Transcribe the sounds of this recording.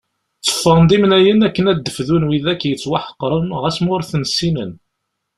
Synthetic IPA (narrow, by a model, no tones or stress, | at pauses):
t͡sːə̥fənd̪imnæjənækːənæd̪ːəfðunwiðækːjət͡sːwaħə̥qːɾˤənʁæsmʊɾθənsːinən